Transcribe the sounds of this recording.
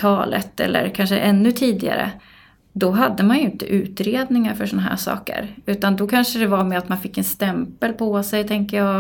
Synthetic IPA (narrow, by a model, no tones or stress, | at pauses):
t̪ʰɑːlə̰t̪ɛ̰lːə̰ɾkʰanʂə̰ʔɛnːɵt̪ʰiːd̪ɪa̰ɾə̰ | d̪ɔɦad̪ːəmanjɵɪnt̪əʔʉ̟ːt̪ɾeːd̪nɪŋaɾfœʂɔnaɦæ̰ːʂɑ̰ːkə̰ɾʉ̟ːt̪and̪ɔkʰanʂəd̪ɛvaɾmɛat̪manfɪkːɛnst̪ɛmpəlpʰɔsɛjt̪ʰɛŋkəjɑː